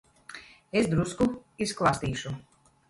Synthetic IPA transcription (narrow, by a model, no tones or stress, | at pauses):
esd̪ɾuskuisklˠast̪iːʃu